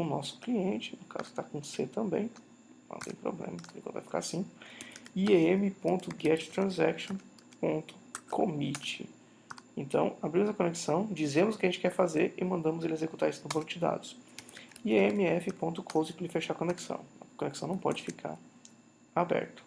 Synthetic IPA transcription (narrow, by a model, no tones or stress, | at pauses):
ʊnɔsʊ̥kliẽnt͡ʃɪ̥nʊka̰zʊkɪ̥t̪akõset̪ɐ̃mbḛ̃j̃ | nɐ̰̃t̪ḛ̃j̃pɾo̰blḛ̃mɐlĩkɐ̰̃t̪vajfi̥ka̰ɾsĩ | ieemɪpõnt̪ʊɡɛt͡ʃɪ̥t̪ɾɐ̃zɛkʃõ | põnt̪ʊ̥kʰomit͡ʃɪ̰ | ẽnt̪ɐ̰̃w̃abɾĩmʊzɐkoneksɐ̃w̃d͡ʒizẽmʊzʊkɪɐʒẽt͡ʃɪkɛɾfazeɾɪmɐ̃nd̪ɐ̃mʊzelɪezekut̪aɾisʊnʊbõnʊd͡ʒɪd̪a̰d̪ʊs | iemɪɛfɪpõnt̪ʊkʰozɪplɪfeʃaɾkoneksɐ̰̃w̃ɐkoneksɐ̃w̃nɐ̃w̃pɔ̰d͡ʒɪfikʰa̰ɾ | abɛ̰ɾt̪ʊ̥